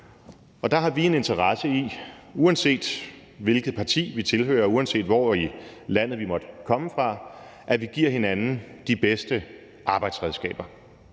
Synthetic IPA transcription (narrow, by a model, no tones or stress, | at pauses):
ɒ̽d̥ɑ̈ɦɑ̈ʋie̝ne̝nt͡sʰɐʁɑsəi | uænse̝̰ːd̥ | ʋe̝lɡ̥əð̞̩ˠpʰɑ̈t͡sʰḭːʋit͡sʰe̝lhø̰ːɐuænse̝̰ːd̥ʋɒ̰ilæn̰ð̩ˠʋimɒ̽d̥kʰɒ̽məfʁɑ̈ʔæʋiɡ̥iɐ̰he̝nænn̩d̥ib̥esd̥ə | ʔɑ̈ːb̥ɑ̈ɪd̥sʁɛðˠsɡ̥ɛ̰ːb̥ɐ